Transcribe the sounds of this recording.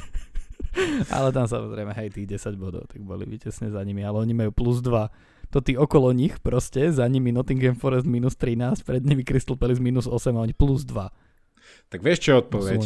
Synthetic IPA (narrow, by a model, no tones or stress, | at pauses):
ʔa̰lɛt̪ams̬a̰mɔzɾɛ̰ɪmɛɦɛjt̪iːɣɟɛsaɟbɔd̪ɔ̰ʊt̪aɡ̚bɔlḭʋicɛsɲɛzaɲimialɛɔɲimajuːpluzd̪ʋa | t̪ɔt̪iːɔkɔlɔɲixpɾɔscɛzaɲiminɔt̪iŋɡɛmfɔɾɛst̪miːnust̪ɾinaːscpɾɛd̪ɲiʋikɾisilˠpɛlizmiːnuzɔsɛmaɔɲipluzd̪ʋa | t̪aɡʋɪɛʃt͡ʃɔɔt̪̚pɔʋɛ